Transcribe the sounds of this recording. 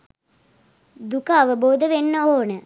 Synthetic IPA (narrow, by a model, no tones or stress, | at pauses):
d̪ukəːʋəboːd̪əʋenːəoːnə